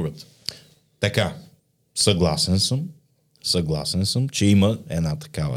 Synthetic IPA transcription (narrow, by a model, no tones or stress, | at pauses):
ɡət̪ | t̪ɐka | sɐɡlˠasɛnsɤm | sɐɡlˠa̰sɛnsəmt͡ʃɛiməɛ̰nat̪ɐ̥kavə̰